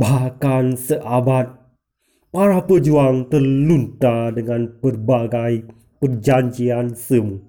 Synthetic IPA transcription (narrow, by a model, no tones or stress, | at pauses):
bahkansəʔabat̪̚ | paɾahpəd͡ʒuaŋt̪ərlunt̪adəŋãnpərbaɡaj | pərd͡ʒaɲd͡ʒiansəmu